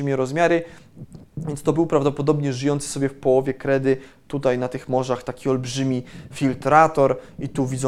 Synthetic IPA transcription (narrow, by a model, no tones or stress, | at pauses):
mʲjɛɾɔzmʲjaɾɘ | vʲjɛnt̪st̪ɔbɘwpɾavd̪ɔpɔd̪ɔbɲɛʐɘjɔnt̪sɨ̥sɔbʲjɛfpɔwɔvʲjɛkɾɛd̪ɘ | t̪ut̪ajnat̪ɘxmɔʐaxt̪akʲiɔlbʐɘmʲifʲilt̪ɾat̪ɔɾit̪uvʲid̪z